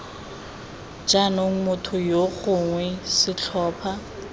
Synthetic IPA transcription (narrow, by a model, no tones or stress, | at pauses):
d͡ʒanoŋ̩mʊtʰʊjoχʊŋwɛsɪt͡ɬʰɔːpʰa